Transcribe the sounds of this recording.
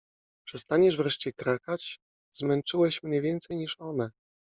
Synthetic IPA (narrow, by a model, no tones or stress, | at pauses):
pʂɛst̪aɲɛʐvɾɛʂt͡ɕɛkɾakat͡ɕ | zmɛnt͡ʂɘwɛɕmɲɛvʲjɛnt̪sɛjɲiʂɔnɛ